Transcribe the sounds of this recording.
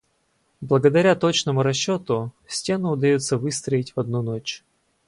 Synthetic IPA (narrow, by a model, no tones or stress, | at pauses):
blˠəɡəd̪ɐɾʲat̪o̞t͡ɕnəmʊɾɐɕːo̞t̪ʊ | sʲtʲe̞nʊʊd̪ɐjot̪səvɨst̪ɾəɪtʲvɐd̪nunot͡ɕ